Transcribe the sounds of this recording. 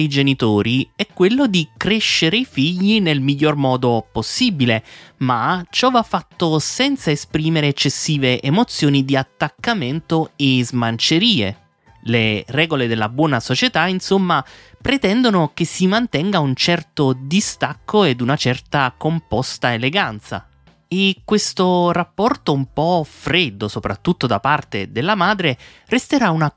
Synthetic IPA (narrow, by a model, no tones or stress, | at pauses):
id͡ʒenit̪oːɾiɛkːwelːod̪ikɾeʃːeɾeifiʎːinelmiʎːormɔːd̪oposːibilemat͡ʃɔvafːat̪ːosɛnt̪saespɾiːmeɾeːt͡ʃːesːiːveʔemot̪sjoːnid̪iat̪ːakːament̪oezmant͡ʃeɾiːḛ | lerɛːɡoled̪elːabwɔːnasot͡ʃet̪ainsomːapɾet̪ɛnd̪onok̟esːimant̪ɛŋɡaunt͡ʃɛrt̪od̪ist̪akːoed̪unat͡ʃɛrt̪akompɔst̪aeleɡant̪sa̰ | ekːwest̪orapːɔrt̪oumpɔfɾed̪ːosopɾat̪ːut̪ːod̪apart̪ḛd̪elːamaːd̪ɾe | rest̪eɾauna